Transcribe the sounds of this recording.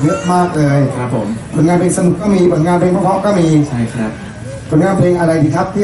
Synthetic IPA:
jɯ˦˥t̪̚maː˥˩k̚lɤː˧jkʰɾa˦˥pʰːo̰˩˦mko˨˩nŋaː˧npʰeː˧ŋsa˧nu˨˩kːɔː˥˩miː˧bo˨˩nŋaː˧npʰleː˧ŋkʰkʰɔ˦˥wkɔː˥˩miː˧t͡ɕʰa˥˩kʰa˦˥˩ | ko˨˩nŋaː˧npʰleː˧ŋʔa˧ɾa˧jt̪ʰiː˧˩k̪ʰa˦˥p̚t̪ʰi˥˩

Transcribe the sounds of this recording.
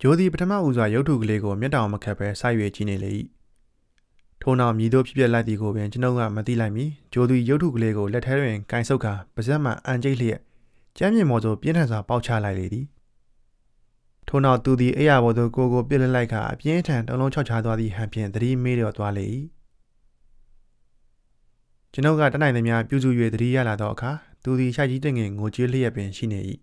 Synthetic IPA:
d͡ʑo˨d̪ði˨p̬ətʰə˦mä̰˦˨ʔu˦˨zwa˨jo˦ʊtʰːu˦˨ɡəle˦ɡo˨mjɪ˦˨tːã˨ʊ̃məkʰɛ˦pʰːɛ˦sa˦ɪʔjwe˨t͡ɕḭ˦˨ne˨lḛ˨ʔḭ˦˨ | tʰo˨na˦ʊmji˨d̪o̰˦˨pʰjɪ˦pjɛ˦ʔla˦ɪt̪ði˨ɡo˨wɪ̃˨t͡ɕənõ˦ʊ̃ŋɡa̰˦˨mət̪ḭ˦˨la˦ɪʔmji˨d͡ʑo˨d̪wi˨jo˦ʊʔtʰṵ˦˨ɡəle˦ɡo˨lɛ˦tʰːɛ˦dwɪ̃˨kã˨ɪ̃nsʰo˦kʰa˨b̥əzɛ˦ʔm̥a̰˦˨ʔã˨ɲt͡ɕe˦ɪʔlə˦jɛ̰˦ʔ | t͡ɕã˦mjɪ̃˨mɔ˨zo˨pjɪ̃˦ntʰã˨zwa˨pa˦ʊʔt͡ɕʰa̰˦˨la˦ɪʔlḛ˨d̪ði˨ | tʰo˨na˦ʊt̪ːu˨d̪i˨ʔe˦˨ja˨bɔ˨zo˨ko˨ɡo˨p̬jɪ˦ʔlɛ˦ʔla˦ɪʔkʰa̰˨ʔə̰pjɪ̃˦ʔətʰã˨ntõ̰˦˨ʊ̃õ˦t͡ɕʰa˦ʊt͡ɕʰa˦t̪wa˦d̪ðḭ˦˨ɦã˨pʰjɪ̰̃˦˨nd̪əɾḭ˦˨me˦ɾɔ˦˨t̪wa˦lḛ˦˨ʔḭ˦˨ | t͡ɕəno˦ʔkːä̰˦˨tːnã˨ɪ̃nu˨mja˦pjṵ˦˨zṵ˦˨jwḛ˦˨d̪əɾḭ˦˨ja̰˦˨la˨d̪ðɔ˦ʔəkʰa˨t̪u˨d̪i˨ʃa˦ɪt͡ɕi˦t̬ɪ̃˦˨ŋɡɪ̃˨ŋo˨t͡ɕe˦l̥ə˦jɛ˦pːɪ̃˨nʃḭ˦˨ne˨ʔḭ˦˨

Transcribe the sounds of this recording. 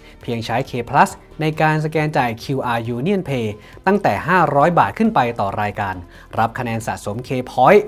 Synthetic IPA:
pʰiː˧əŋt͡ɕʰa˦˥jkʰeː˧pʰla˦˥s | na˧jkaː˧ns̬a˧kɛː˧nt͡ɕaː˨˩jkʰi˧wʔaː˧juː˧ni˥ənpʰeː˧ | t̪a˥˩ŋt̪ɛː˨˩ɦaː˥˩ɾɔː˦˥jbaː˨˩t̪̚kʰɯ˥˩npa˧jt̪ɔː˨˩ɾaː˧jkaː˧n | ɾa˦˥p̚kʰa˧nɛː˧nsa̰˨˩so˩˦mkʰeː˧pʰɔː˦˥j

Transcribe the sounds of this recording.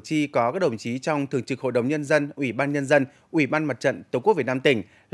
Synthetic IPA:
t͡ɕi˧kɔ˨˦kaː˦˥k̚ɗə˧˩wŋ͡mt͡ɕi˨˦t͡ɕɔ˧wŋ͡mt̪ʰɨ˨˩əŋt͡ɕɨ˨˩k̚ho̰˧˨jɗə˨˦wŋ͡mɲə˧nzə˧nʔwi˧˩ɓaː˧nɲə˧nzə˧n | ʔwi˧˩ɓaː˧nma˨˩t̚t͡ɕə̰˧˨nt̪ːwku˦˥vi˨˩tnaː˧t̪ï˧˩ŋ̟

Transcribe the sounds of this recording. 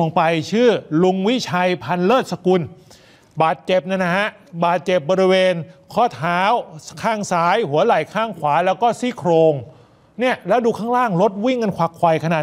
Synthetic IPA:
o˧ŋpa˧jt͡ɕʰɯː˥˩lu˧ŋwi˦˥t͡ɕʰa˧jpʰa˧nlɤː˥˩t̪̚sa˧ku˧n | baː˨˩t̪̚t͡ɕe˨˩p̚na˥˩na˧˥ha˦˥ʔ | baː˨˩t̪̚t͡ɕe˨˩p̚bɔː˧ɾi˦˥weː˧nkʰɔː˥˩t̪ʰaː˦˥wkʰaː˥˩ŋsaː˨˦˥jhu˩˦ɐla˨˩jkʰaː˥˩ŋkʰwaː˩˦lɛː˦˥wkɔː˥˩siː˦˥˩kʰɾoː˧ŋ | ni˥˩ɐlɛː˦˥wduː˧kʰaː˥˩ŋlaː˥˩ŋlo˦˥t̪̚wi˥˩ŋka˧nkʰwaː˨˧˩kʰwa˧jkʰa˧naː˨˩

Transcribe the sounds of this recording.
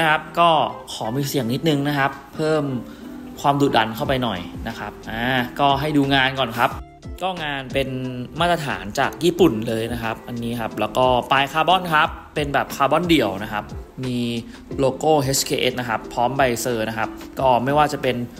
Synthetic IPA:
a˦˥kʰa˦˥p̚kɔː˥˩kʰɔː˩˦miː˧si˨˩əŋni˦˥t̪̚nɯ˧ŋna˦˥kʰa˦˥pʰːɤː˥˩m | kʰwaː˧mduː˨˩t̪̚da˧nkʰa˥˩wpa˧jnɔ˨˩jna˦˥kʰa˦˥p̚ʔaː˧˩kɔː˥˩ɦa˥˩jduː˧ŋaː˧nkɔː˨˩nkʰa˦˥p̚ | kɔː˥˩ŋaː˧npe˧nmaː˥˩t̪ɾa˧a̰ː˩˦nt͡ɕaː˨˩k̚jiː˥˩pu˨˩nlɤː˧jna˦˥kʰa˦˥p̚ʔa˧nːiː˦˥kʰa˦˥p̚lɛː˦˥wkɔː˥˩paː˧jkʰaː˧bɔ˥˩nkʰa˦˥pːe˧nbɛː˨˩p̚kʰaː˧bɔ˥˩ndi˨˩əwna˦˥kʰa˦˥p̚miː˧ | loː˧koː˥˩ɦe˦˥skʰeː˧ʔḛ˦˥t̪̚na˦˥kʰa˦˥pʰɔː˦˥mba˧jsɤː˧na˦˥kʰa˦˥p̚kɔː˥˩ma˥˩jwaː˥˩t͡ɕa˨˩pe˧n

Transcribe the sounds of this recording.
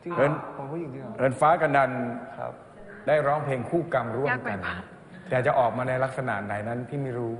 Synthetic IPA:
ɾɤː˧nʰo˨˦u˦˥ji˨˩ŋi˧ɾɤː˧nfaː˦˥ka˧nda˧n̰ | daː˥˩jɾɔː˦˥ŋpʰleː˧ŋkʰuː˥˩ka˧mɾu˥˩əmɯ˥˩ka˧n | t̪ʰɛ˨˩t͡ɕa˨˩ʔɔː˨˩k̚maː˧na˧jla˦˥k̚sa˧na̰˨˩ʔna˨˩jna˦˥nt̪ʰiː˥˩miː˧ɾuː˦˥

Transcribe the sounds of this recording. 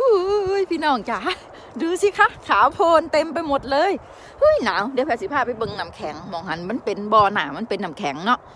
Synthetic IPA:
ʔɯː˧˩ʔɯ˧˥˩jpʰiː˧˨nɔː˧˩ŋt͡ɕa˧˦ | duː˧si˧˦kʰa˧˥˩kʰaː˨˦pʰoː˧nt̪e˧mpa˧jmo˧˦t̪̚lɤː˧˥˨j | ʔɯ˧˥˨jnaː˨˦wde˧˦pʰɛ˧˩si˧˦pʰaː˧˩pa˧˦jbɤ˧ŋna˨˧˦mkʰɛː˨˩˦ŋmɔː˨˦ŋha˧˥˨nma˧˥˨npe˨nbɔː˧naː˨˩ma˧˥˨npe˨nːa˨˦mkʰɛ˨˦ŋnɔ˧ʔ

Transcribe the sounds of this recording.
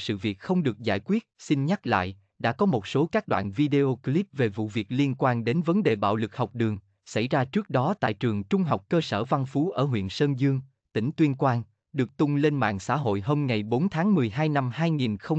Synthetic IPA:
sɨ̰˧˨vi˨˩ət̚xə˧wŋ͡mɗɨ˨˩ək̚za̰ː˧˩jkwi˦˥ət̚sï˧nɲa˦˥la̰ː˧˨j | ɗa̰ː˧˥kɔ˨˦mo˨˩t̚so˨˦kaː˦˥k̚ɗwa̰ː˧˨nvi˧ɗe˧ʔo˧kli˦˥p̚ve˨˩vṵ˧˨vi˨˩ək̚li˧ənkwaː˧nɗe˨˦nvə˨˦nɗe˨˩ɓa̰ː˧˨wlɨ˨˩k̚hɔ˨˩wk͡p̚ɗɨ˨˩əŋ | sa̰˧˩jzaː˧t͡ɕɨ˦˥k̚ɗɔ˨˦t̪a̰ː˧˨jt͡ɕɨ˨˩əŋt͡ɕʊ˧ŋ͡mɦa˨˩wk͡p̚kəː˧səː˧˩va˧nfu˨˦ʔəː˧˩ɦwḭ˧˨ənsəː˧nzɨ˧əŋ | t̪ï˧˩ŋ̟t̪wi˧ənkwaː˧n | ɗɨ˨˩ək̚t̪ʊ˧ŋ͡mle˧nma̰ː˧˨ŋsa̰ː˧˥ɦo̰˧˨jɦo˧mŋa˨˩jɓo˨˦nt̪ʰaː˨˦ŋmɨ˨˩əjɦaː˧jna˧mhaː˧jŋi˨˩nxə˧w

